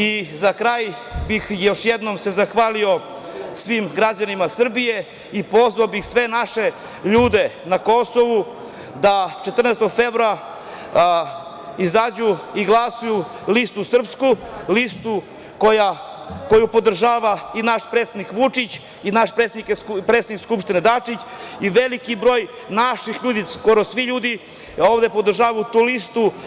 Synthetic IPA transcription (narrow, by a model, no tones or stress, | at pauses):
izakɾaːjbixjo̞ʃjed̪nomse̞zaxʋaːlio̞ | sʋimɡɾad͡ʑanimasr̩bije̞ | ipo̞zʋaobixsʋe̞naʃe̞ | ʎuːd̪e̞nako̞soʋu | d̪at͡ʃet̪r̩neːst̪oɡfevɾoa | izaːd͡ʑuiɡlˠasuju | list̪usr̩pskulist̪u | koja | ko̞jupo̞d̪r̩ʒaːʋainaʃpɾet̪sed̪nikʋut͡ʂit͡ɕ | inaʃpɾet̪sed̪ikepɾet̪senikskupʃt̪ined̪at͡ʂit͡ɕiʋelikibɾo̞ːj | naʃixʎuːd̪isko̞ɾosʋiʎuːd̪i | o̞ːʋd̪epod̪r̩ʒaːʋajut̪uːlist̪u